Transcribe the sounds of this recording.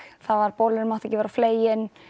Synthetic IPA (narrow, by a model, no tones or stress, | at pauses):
θaðvaɾpowlɪnɪɾmawht̪ɛcɪvɛːɾawfleːjɪn